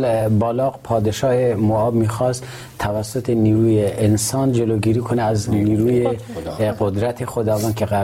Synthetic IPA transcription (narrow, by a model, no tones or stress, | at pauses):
lbɒːlɒːɣpʰɒːd̪eʃɒːhemoɒːbmiːxɒst̪ | t̪ʰːævæsːot̪ʰeniːɾuːjeʔensɒːnd͡ʒeloɡiːɾiːkʰoneæzniːɾuːjeqod̪ɾæt̪ʰexod̪ɒːvɒːnkʰeɣæ